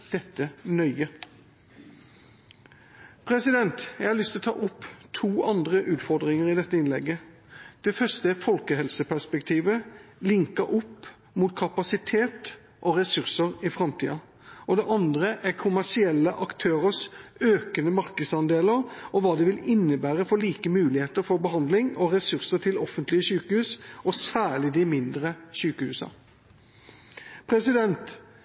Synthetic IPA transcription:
d̪̥ɛt̪ːənœʏə | pʰɾɛsɪd̪ɛnt̪jæɛɪhɑɾlʏst̪ɪlɔt̪ʰɑ̰ːʔɔpːt̪ʰuːɑnd̪ɾəʔʉːt̪fɔʁd̪ʁɪŋəʁɪd̪ɛt̪ːəɪnlɛ̰ɡːə | d̪̥ɛfœʂt̪əæfɔlkəɦɛlsəpæʁʂpɛkt̪ʰiːʋəlɪŋkəɾʔɔpː | muːt̪kʰɑpɑsɪt̪ʰeːt̪ | ʔɔɾɛsʉʁsəɾɪfɾɑmt̪ʰḭːɑ | ʔɔd̪ɛʔɑnd̪ɾəʔæɾkʰʊmæʂɪɛlːəʔɑkt̪ʰøːɾəsøːkənəmɑɾkəd̪sɑnd̪eːləɾɔʋɑːd̪ɛʋɪlɪnːəbæːɾəfɔɭiːkəmʉːlɪheːt̪əɾfɔɾbəɦɑnd̪lɪŋɔʁɛsʉɾsəʈ̪ʰɪlɔfːənt̪lɪəɕʉːkəhʉːsɔsæːɭɪd̪ɪmɪnd̪ɾəɕʉːkəhʉːsɑ̰ | pʰɾɛsɪd̪ɛnt̪

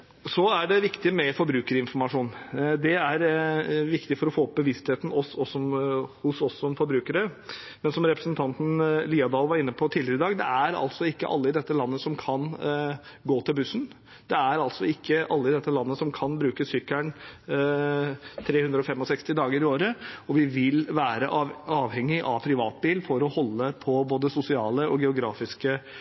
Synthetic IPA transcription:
sɔæɖɛʋɪkt̪ɪmɛfɔɾbɾʉːkəɾɪnfɔɾmɑʂuːnd̪ɛæɾʋɪkt̪ɪfɔɾɔfoːɔp̚bəʋɪst̪heːt̪n̩ɔsɔsɔmhʊsɔsːɔmfɔɾbɾʉːkəɾə | mɛnsɔmɾɛpɾəsnt̪ʰɑnt̪n̩liːɑd̪ɑlʋɑɾɪnːəpʰɔt̪ʰiːd̪lɪɾɪd̪ɑːɡd̪ɛ̰æɾɑ̰lt̪sɔɪkːə̰ʔɑ̰lːəɪd̪ɛt̪ːəlɑnːəsɔmkʰɑn | ɡoːt̪ʰɪlbʉsn̩ | d̪ɛæɾɑlt̪sɔɪkːəʔɑlːəɪd̪ɛt̪ːəlɑnːəsɔmkʰɑnbɾʉːkəsʏkːæɳ | t̪ʰɾeːhʉnd̪ɾəɔfɛmːɔsɛkst̪ɪd̪ɑːɡəɾɪoːɾəɔʋɪʋɪlʋæːɾəʔɑːʋhɛŋːɪʔɑ̰ʋpʰɾɪʋɑːt̪biːlfɔɾɔhɔlːəpʰɔboːd̪əsʊsɪɑːləɔɡɛʊɡɾɑːfɪskə

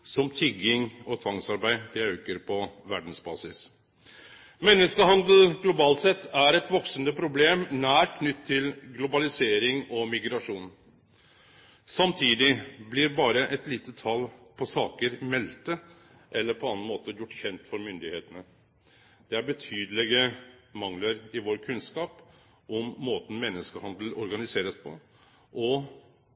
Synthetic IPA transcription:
sɔmt̪ʰʏɡɪŋɔt̪ʰʋɑŋsɑɾbæɪd̪ɛøːkəɾpʰɔʋæɖn̩sbɑ̰ːsɪs | mɛnːəskəɦɑnd̪l̩ɡlʊbɑːlt̪sɛt̪ːæɾɛt̪ʋɔksənəpʰɾʊbleːmnæːɾkʰnʏt̪ʰːɪlɡlʊbɑlɪseːɾɪŋɔmɪɡɾɑʂuːn | sɑmt̪ʰiːd̪ɪblɪɾbɑːɾəʔɛt̪liːt̪ət̪ʰɑlpʰɔsɑːkəɾmɛlt̪ə | ʔɛlːəɾpʰɔɑnnmoːt̪əjʊʈːçɛnt̪fɔɾmʏnd̪ɪheːt̪ənə | d̪̥ɛæɾbət̪ʰyːd̪əlɛɡəmɑŋləɾɪʋoːɾkʰʉnskɑːp | ʔɔmːoːt̪n̩mɛnːəskəhɑnd̪əl̩ɔɾɡɑnɪseːɾəspʰɔ̰ | ʔɔ

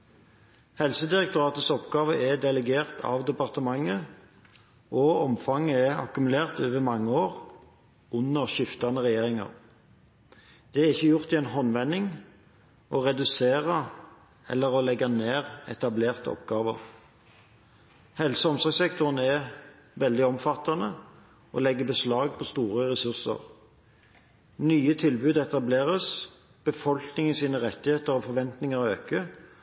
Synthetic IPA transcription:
hɛlsəd̪ɪʁɛkt̪ʊʁɑːt̪əsɔpɡɑːʋəʔɛd̪ɛləɡeːʁt̪ʰɑ̰ʋd̪ɛpɑʁt̪əmɑŋːə | ʔɔɔmfɑŋːəɛɑ̰kʉmʉleːʁt̪øːʋəmɑŋːəoːʁ | ʉnːəʁʃʏft̪ɑnəʁɛjeːʁɪŋɑ̰ʁ | d̪̥ɛæʁɪçːəjʊʁt̪ɪɛːnɦɔnʋɛnːɪŋ | ʔɔʁɛd̪ʉseːʁə | ɛ̰lːəʁɔlɛɡːɑneːʁɛ̰t̪ɑbleːʁt̪əɔ̰pɡɑːʋə̰ʁ | hɛlsəɔmsɔɡsɛk̚t̪ʊʁənɛ | ʋɛld̪ɪɔmfɑt̪ːɑnə | ʔɔ̰lɛɡːəbəslɑːɡpʰɔst̪uːʁəʁɛsʉʁsə̰ʁ | nyːət̪ʰɪlbʉːd̪ɛt̪ɑbleːʁəs | b̥əfɔlknɪŋəsiːnəʁɛt̪ːɪheːt̪əɾɔfɔʋɛnt̪nɪŋəʁøːkə

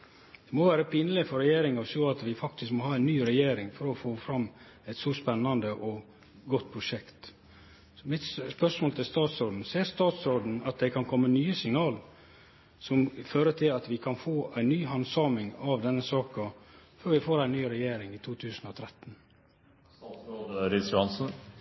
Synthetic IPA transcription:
d̪̥ɛmɔʋæːɾəpʰɪːnəlɪfɔɾɛjeːɾɪŋɑʋsoːɑt̪ʋɪfɑkt̪ɪskmɔhɑːæɪnːyːɾɛjeːɾɪŋfɔɾɔfoːfɾɑmː | ɛɪt̪sɔspɛnːɑnd̪əʔɔ | ɡɔt̪̚ːpʰɾʊʂɛkt̪ | sɔmɪt̪sspœʂmoːlt̪ʰɪlst̪ɑːt̪soːd̪n̩seːɾst̪ɑːt̪sod̪n̩ɑt̪̚d̪ɛkʰɑnkʰɔmːənyːəsɪŋnɑːl | sɔmføːɾət̪ʰɪlɑt̪ʋɪkʰɑnfoːæɪnːyːɦɑnsɑːmɪŋɑʋd̪ɛnːəsɑːkɑføːɾʋɪfoːɾæɪnyːɾɛjeːɾɪŋɪt̪ʰuːt̪ʰʉːsn̩ɔt̪ʰɾɛt̪ːn̩ | ɾɪsjʊɑnsn̩

